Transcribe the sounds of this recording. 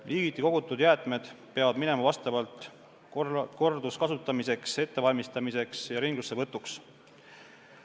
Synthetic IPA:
liːɡit̪ːˑiko̞ɡ̥ut̪ːˑud̪jæːt̪ˑme̞d̪̥peɑvɑd̪̥mine̞mɑvɑst̪ɑvɑlt̪ˑ | ko̞rd̪uskɑsut̪ːˑɑmise̞kse̞t̪ːe̞vɑlʲmist̪ɑmise̞ksjɑɾiŋɡ̥lusːevɤt̪ːˑuks

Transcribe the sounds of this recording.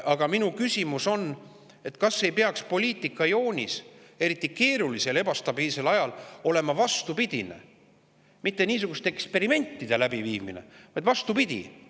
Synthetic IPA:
ʔɑɡ̥ɑminukysʲimuso̞n | e̞t̪kɑsːejpeɑkspo̞lʲiːt̪ːˑikːˑɑjo̞ːnʲise̞ɾit̪ːˑike̞ːɾulise̞le̞bɑst̪ɑbiːlse̞lɑjɑlo̞le̞mɑvɑst̪upid̪̥ʲine̞̰ | mit̪ːe̞niːs̬uɡ̥ust̪eekspe̞ɾime̞nʲt̪ːˑid̪̥e̞læbiviːmḭne̞̰vɑjd̪̥vɑst̪upid̪̥ʲḭ

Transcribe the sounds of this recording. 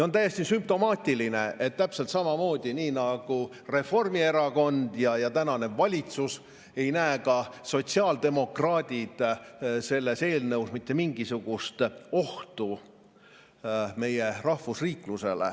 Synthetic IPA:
ont̪æje̞st̪isymp̚t̪o̞mɑːt̪ʲːiline̞ʔet̪ːæpse̞lt̪sɑmɑmo̞ːd̪̥ʲiniːnɑɡ̥u | re̞fo̞rmie̞ɾɑko̞nd̪̥jɑjɑt̪ænɑne̞vɑlʲit̪sus | e̞jnæekɑso̞t̪siɑːld̪e̞mo̞krɑːd̪̥ʲid̪̥se̞lːe̞se̞ːlnɤwsmit̪ːe̞miŋɡ̥isuɡ̥ust̪o̞ht̪u | me̞je̞rɑhvusriːkluse̞lḛ

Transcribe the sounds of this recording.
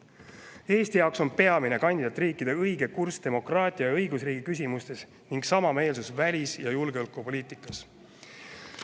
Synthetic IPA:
e̞ːsʲt̪ijɑoksonpe̞ɑmine̞kɑnʲd̪id̪ɑt̪ːˑriːkːˑid̪̥e̞ɤjɡe̞kurst̪e̞mo̞krɑːt̪ʲˑiɑjɑɤjɡusriːɡikys̬ʲimust̪e̞s | niŋɡ̥sɑmɑme̞ːlsusvælʲisjɑjulɡ̥eolkːˑupo̞liːt̪ˑikːˑɑs

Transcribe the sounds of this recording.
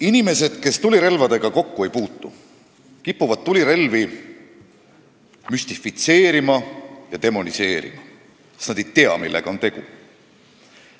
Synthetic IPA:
inime̞se̞d̪̥ke̞st̪ulʲiɾe̞lvɑd̪e̞ɡ̥ɑko̞kːue̞jpuːt̪ːˑṵ | kipːuvɑd̪̚t̪ːulʲiɾe̞lvi | mysʲt̪ifit̪se̞ːɾimɑjɑd̪e̞mo̞nise̞ːɾḭmɑ | estnɑd̪̥ejt̪e̞ɑ̰milːe̞ɡ̥ɑo̞nt̪e̞ɡ̥ṵ

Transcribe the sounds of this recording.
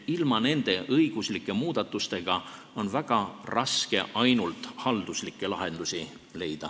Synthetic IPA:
ilmɑne̞nd̪̥e̞ʔɤjɡ̥uslikːˑe̞muːd̪̥ɑt̪ːˑust̪e̞ɡ̥ɑ | o̞nvæɡ̥ɑrɑske̞ʔɑjnult̪ˑhɑld̪uslikːˑe̞lɑɦe̞nd̪̥usi | le̞jd̪̥ɑ

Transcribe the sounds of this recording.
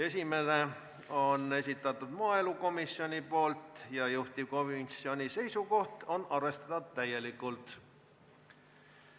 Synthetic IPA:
e̞sʲime̞ne̞ | o̞ne̞sit̪ːˑɑt̪ːˑud̪mɑɑːe̞luko̞misːio̞nʲipo̞ːlt̪ˑjɑjuht̪ʲiko̞misio̞nʲise̞jsuko̞ht̪o̞nɑrve̞st̪ɑd̪ɑ̥t̪ːæje̞likːˑult̪

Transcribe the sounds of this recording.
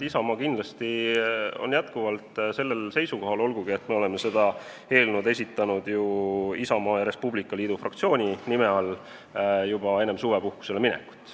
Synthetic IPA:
isɑmɑːkind̪lɑst̪io̞̰njæt̪kuvɑlt̪se̞lːe̞lse̞jsuko̞ɦɑlo̞lɡ̥uɡ̥iet̪ːme̞o̞le̞me̞se̞d̪̥ɑ | he̞ːlnud̪e̞sit̪ːˑɑnud̪̥juisɑmɑːjɑɾe̞spublikːˑɑliːd̪ufrʔɑ̰k̚t̪sio̞ːnʲinime̞ɑl | jub̥ɑe̞ne̞msuːve̞puhku̥se̞leminɛ̰ku̥t̪ːˑ

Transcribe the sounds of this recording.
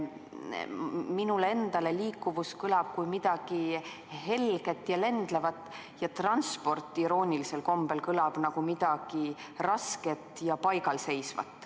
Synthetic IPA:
minule̞nd̪̥ɑle̞liːkˑːuvuskɯlɑb̥̚kujmid̪̥ɑɡ̥i | ɦe̞lɡ̥e̞t̪ːˑjɑle̞nd̪̥le̞vɑt̪ːˑ | jɑt̪rɑnspo̞rt̪ˑːiɾo̞ːnʲilise̞lko̞mb̥e̞lkɯlɑb̥nɑɡ̥umid̪̥ɑɡ̥i | rɑske̞t̪ːˑjɑpɑjɡɑlse̞jsvɑ̰t̪ːˑ

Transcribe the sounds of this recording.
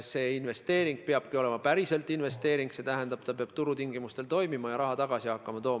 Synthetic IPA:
se̞ːinve̞st̪e̞ːɾiŋɡ̥̚peɑb̥kio̞le̞mɑpæɾise̞lt̪ːˑinve̞st̪e̞ːɾiŋɡ̥se̞t̪æɦend̪ɑb̥t̪ɑpeɑb̥t̪uɾut̪iŋɡ̥imust̪elt̪o̞jmimɑjɑɾɑɦɑt̪ɑɡ̥ɑsihɑkːɑmɑt̪o̞ːm

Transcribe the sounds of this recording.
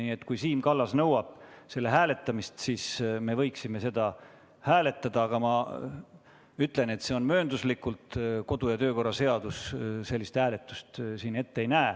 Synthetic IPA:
nie̞t̪ːkujsiːmkɑlːɑsnɤwɑb̥̚se̞lːe̞ɦæːle̞t̪ːˑɑmist̪siːsme̞vɤjksime̞se̞d̪̥ɑ | hæːle̞t̪ːˑɑd̪̥ɑɑɡ̥ɑmɑ | yt̪ˑle̞ne̞t̪ːse̞o̞nmøːnd̪uslikːult̪ko̞d̪ujɑt̪ø̞ːko̞rːɑse̞ɑd̪usse̞lːist̪hæːle̞t̪ːˑu̥st̪siːne̞t̪ːeejnæː

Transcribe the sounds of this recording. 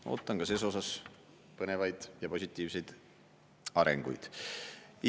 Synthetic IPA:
o̰ːt̪ːˑɑŋɡɑseːs̬o̞sɑs | pɤnevɑjd̪̥jɑpo̞sʲit̪ˑːiːvsejd̪̥ | ɑɾḛŋɡ̥ṵjd̪̥

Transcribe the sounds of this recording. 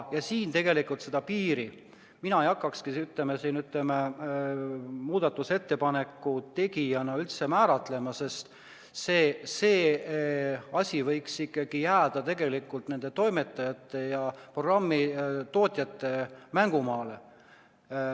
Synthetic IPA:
jɑsiːnt̪e̞ɡe̞likˑult̪se̞d̪ɑpiːɾi | minɑejɑkːˑɑkskisyt̪ˑlemesiːnyt̪leme | muːd̪ɑt̪ːˑuse̞t̪ːe̞pɑne̞kːˑut̪e̞ɡijɑnɑylt̪se̞mæːɾɑt̪ˑle̞mɑse̞st̪ | seːse̞ː | ɑsʲivɤjksikːˑɑɡ̥ijæːd̪̥ɑt̪e̞ɡ̥e̞likːˑult̪ne̞nd̪e̞t̪o̞jme̞t̪ːˑɑjɑt̪ːˑe̞jɑpro̞ɡrɑmːit̪o̞ːt̪ʲˑjɑt̪ːe̞mæŋɡ̥umɑːle

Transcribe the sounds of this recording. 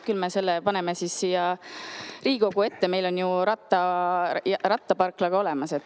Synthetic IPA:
kylme̞se̞lːepɑne̞mesiːsːijɑ | ɾiːɡ̥o̞ɡ̥ue̞t̪ːeme̞jlo̞njuɾɑt̪ːˑɑjɑrɑt̪ːɑpɑrklɑɡ̥ɑo̞lɛmɑse̞t̪ːˑ

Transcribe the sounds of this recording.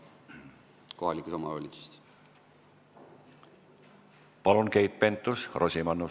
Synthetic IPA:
ko̞hɑlikusomɑolʲit̪si̥st̪ | pɑlunke̞jt̪̚ˑpe̞nt̪ːˑusro̞sʲimɑnːu

